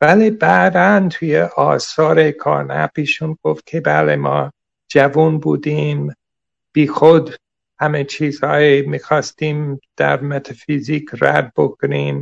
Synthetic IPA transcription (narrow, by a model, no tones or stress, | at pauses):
vælibæd̪ænt̪ʰujeʔɒːsɒːɾekʰɒ̰ːɾnæ̰piːʃunɡ̥oft̪̚kʰebæːlemɒː | d͡ʒævunbuːd̪im | b̥iːxod̪ | hæmet͡ʃʰiːzhɒːjimiːxɒːst̪iːmd̪̥æ̰ɾmet̪ʰɑfiziːkʰɾæ̰d̪̚bokʰoniːm